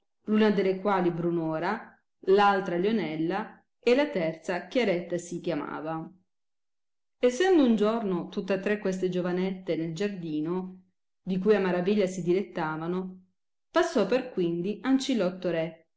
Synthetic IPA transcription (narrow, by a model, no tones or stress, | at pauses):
lunad̪elːekwaːlibɾunoːɾa | lalt̪ɾaljonɛlːa | elat̪ɛrt̪sakjaɾɛt̪ːasikjama̰ːva | esːɛnd̪ound͡ʒornot̪ut̪ːat̪ːɾekːwes̬t̪ed͡ʒovanɛt̪ːeneld͡ʒard̪iːno | d̪ikujamːaɾaviʎːasid̪ilet̪ːaːvano | pasːɔpːerkwind̪iant͡ʃilɔt̪ːoɾɛ